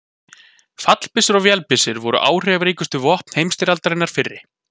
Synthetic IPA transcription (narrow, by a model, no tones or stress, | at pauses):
fat̪l̥pɪsɪɾɔɣvjɛlpɪsɪɾvɔɾʏ̰ʔaːwr̥ɛavɾiːkʏst̪ʏvɔhtp̪n̥hejmst̪ɪɾalt̪aɾɪnːaɾ̥fɪrːɪ